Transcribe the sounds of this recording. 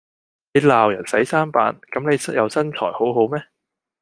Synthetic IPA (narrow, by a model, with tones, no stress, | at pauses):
ne˨˧jlaː˨wjɐ̰˨˩nsɐ˨˥jsaː˥npa̰ː˨˥nkɐ˨˥mne˨˧jsjɐ˨˧wsɐ˥nt͡ʃʰɔ̰ː˨˩jho˨˥wɦo˨˥wmɛː˥